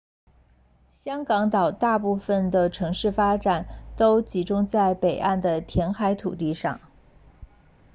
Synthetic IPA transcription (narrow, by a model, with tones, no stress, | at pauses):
ɕjɑ˥ŋkɑ˧˥ŋt̪ɑ˨˩ʊt̪a˥˧pu˥˩fə˩nd̪ə˩ʈ͡ʂʰɤ˧˥ŋʂɻ̩˥˩fa˥ʈ͡ʂa˨˩˦nt̪o˥ʊt͡ɕi˧˥ʈ͡ʂʊ˥ŋt͡sa˥˩ɪpe˨˩ɪʔa˥˩nd̪ə˩t̪ʰjɛ˧˥nxa˧˥ɪt̪ʰṵ˨˩t̪i˥˧ʂɑ̰˥˩ŋ